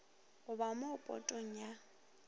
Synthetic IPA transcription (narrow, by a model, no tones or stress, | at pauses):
ʊbamʊpʼɔ̰tʼoŋ̩ja